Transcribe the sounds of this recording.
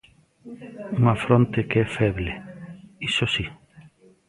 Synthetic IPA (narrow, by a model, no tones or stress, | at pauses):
uŋafɾont̪ekeɛfɛβleisosi